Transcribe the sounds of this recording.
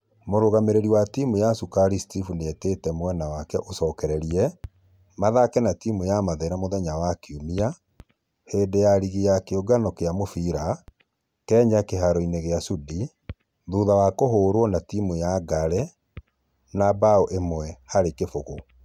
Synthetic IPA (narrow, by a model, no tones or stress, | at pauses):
moɾoɣameɾeɾiwatimujasukaɾistifuneetetɛmwɛnawakɛʔosɔːkɛɾɛɾiɛ | maðakɛnatimujamaðɛɾamoðɛɲawakiumia | heːdejaɾiɣejakeoɡanɔkeamofiɾa | kɛːɲakeɦaɾɔineɣeasudi | ðuðawakoɦoːɾwɔnatimujaɡaɾɛ | nabaoʔemwɛhaɾekefoɣo